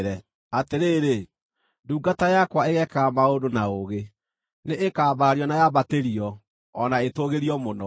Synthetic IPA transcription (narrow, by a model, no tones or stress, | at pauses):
ɾɛ | ateɾeːɾe | duːɡatajakwaeɣɛkaamaodonaoɣe | neʔekaːbaaɾiɔnajaβateɾiɔː | naetoɣeɾiɔmonɔ